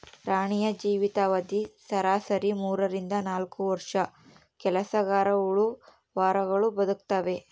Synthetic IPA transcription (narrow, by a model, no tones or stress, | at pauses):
ɾaːɳijɐd͡ʒiːʋit̪aːʋɐd̪isɐɾaːsɐɾimuːɾɐɾind̪ɐnaːlkuʋɐɾʂɐ | kɛlɐsɐɡaːɾɐuɭu | ʋaːɾɐɡɐɭubɐd̪uk̚t̪ɐʋe̞